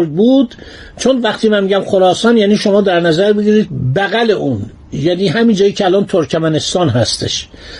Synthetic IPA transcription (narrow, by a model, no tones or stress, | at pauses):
ɾd̪̚buːd̪̥ | t͡ʃʰonvæχt̪ʰiːmænmiːɟæmxoɾɒːsɒːnjæniːʃomɒːd̪æɾnæzæɾbeɡiɾiːd̪̚bæɣæle̞ʔuːn | jæniːɦæmind͡ʒɒːjiːcʰeælɒːnt̪ʰoɾcʰæmæne̞st̪ɒːnɦæst̪ʰḛʃ